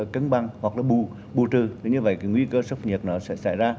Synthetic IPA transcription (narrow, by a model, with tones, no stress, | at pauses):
kə˨˧˦nɓa˨˩ŋhwa˨˩k̚laː˨˩ɓu˨˩ | ɓu˨˩t̪ɨ˨˩t̪ʰi˨˩ɲɨ˧və̰˧˨jka˨˦ŋwi˧kəː˧sə˦˥wk͡p̚ɲi˨˩ət̚nɔ˨˦sɛ̰˧˥sa̰˧˩jzaː˧